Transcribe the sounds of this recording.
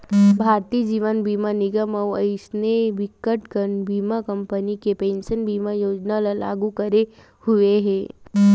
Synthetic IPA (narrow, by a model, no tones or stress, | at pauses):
bʱaːɾt̪iːd͡ʒiːʋənbiːmanɪɡəməʋəɪsneʋɪkːəʈkənbiːmakɐ̃mpənikepẽːnʃənbʱiːmajoːd͡ʒnalala̰ːɡukɐɾe | hʊeɦɛ̃ː